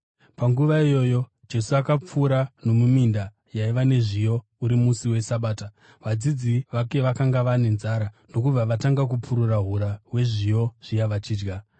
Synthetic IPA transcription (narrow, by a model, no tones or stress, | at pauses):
paŋɡuʋaijo̞ːjo̞ | d͡ʒe̞suakap͡fuːɾano̞muminda | jaiʋane̞ʐijo̞ | uɾimusiwe̞saɓaːta | ʋad͡zid͡ziʋake̞ʋakaŋɡaʋane̞nzaɾano̞kub͡vaʋataŋɡak̬upuɾuraɦuɾawe̞ʐijo̞ʐ̥ijaʋat͡ʃiːd͡ʒɡa